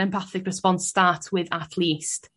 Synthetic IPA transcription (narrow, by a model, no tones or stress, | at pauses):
ɛ̃mpʰaθɪkɹɪspɔnstaːtʰwɪðatʰlˠiːst